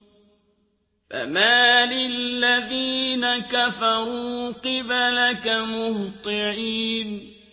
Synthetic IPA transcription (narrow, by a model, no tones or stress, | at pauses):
fa̰maːlɪlːaðiːnakafɑɾˤuːqɨblakamʊht̪ˤɨʕiːn